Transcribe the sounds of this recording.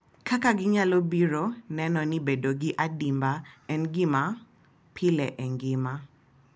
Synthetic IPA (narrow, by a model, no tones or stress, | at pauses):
kʰakaɡɪɲalobiɾonɛnɔnibedoɡɪʔadimbaɛnɡɪma | pʰɪlɛʔɛŋɡɪma